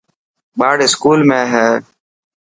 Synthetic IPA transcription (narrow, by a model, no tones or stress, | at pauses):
ɓaːɽɪskuːlmẽːɦɛː